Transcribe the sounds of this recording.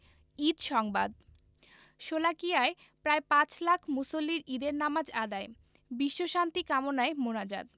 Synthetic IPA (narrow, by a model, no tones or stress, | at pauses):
id̪ʃɔŋba̰d̪̚ | ʃolakijae | pɾaepãt͡ɕlakʰmusolːiɾid̪eɾnamad͡ʑad̪ae | biʃːoʃant̪ikamonaemonad͡ʑa̰d̪̚